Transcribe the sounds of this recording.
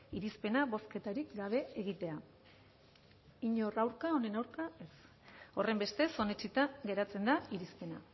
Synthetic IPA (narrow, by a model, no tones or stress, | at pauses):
iɾispe̞naβo̞ske̞t̪aɾikɡaβ̞e̞ːɣ̞it̪e̞a | iɲorawɾkao̞ne̞nawɾkae̞s | o̞re̞mbe̞st̪e̞so̞net͡ʃit̪aɡe̞ɾat͡se̞nd̪aiɾispe̞na̰